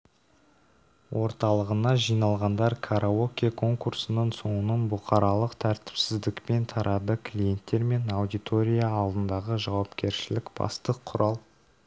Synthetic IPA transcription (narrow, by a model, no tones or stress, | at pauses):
wʔo̞ɾt̪ɑlˠəʁənɑʒijnɑlˠʁɑnd̪ɑɾkʰaɾʔaokʲekʰo̞ŋkursənəɴso̞ɴənəɴbʊqʰɑɾɑlˠəqt̪ʰæɾt̪ɪ̥psɪzd̪ɪkpe̞nt̪ʰɑɾʔɑd̪əkʰlʲije̞nt̪ːe̞ɾme̞nɑwd̪ijt̪o̞ɾʲijaːlˠd̪ənd̪ɑʁəʒɑwɑpkʲe̞ɾʃɪlɪkb̥ɑ̰st̪əqʰːʊɾɑlˠ